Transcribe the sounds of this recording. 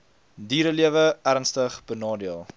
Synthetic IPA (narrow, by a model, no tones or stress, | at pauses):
diːɾəliəvəæɾnstəχb̥ənɑːdiəlˠ